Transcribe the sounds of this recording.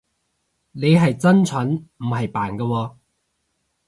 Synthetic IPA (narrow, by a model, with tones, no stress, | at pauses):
ne˨˧jɦɐ˨jt͡sɐ˥nt͡sʰɐ˨˥nm̩˨˩ɦɐ˨jpaː˨˩nkɐ˧wɔː˧